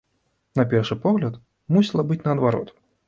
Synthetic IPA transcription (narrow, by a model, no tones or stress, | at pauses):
napʲɛrʂɨpɔɣlʲɐt̪ | musʲilˠɐbɨt͡sʲnɐːd̪vaɾɔ̰t̪